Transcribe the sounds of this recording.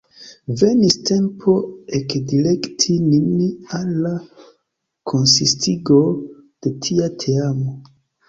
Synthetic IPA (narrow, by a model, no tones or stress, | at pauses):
ve̞niste̞mpʰo̞ekdile̞ktʰininalːa | kʰonsistiɡod̥e̞tʰiatʰeamo